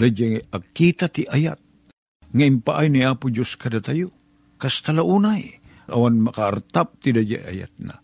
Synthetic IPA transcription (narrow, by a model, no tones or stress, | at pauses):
dad͡ʒaakit̪at̪iʔajat̪̚ | ŋaimpaʔajnajapud͡ʒuskadat̪aju | kast̪alaunaj | a̰wanmakaːrt̪ap̚t̪idad͡ʒa̰a̰ja̰t̪̚na̰